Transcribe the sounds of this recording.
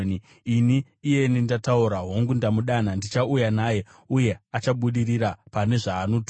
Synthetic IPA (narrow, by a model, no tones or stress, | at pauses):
n | iniː | je̞nindatauɾaɦo̞ŋɡundamuɗanandit͡ʃaujanaːje̞ | uje̞at͡ʃaɓuɗiriɾapane̞ʐaːnot